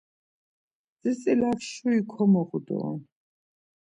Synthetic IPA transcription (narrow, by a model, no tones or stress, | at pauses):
zisʼilafʃuikʰɔmɔʁud̪ɔ̰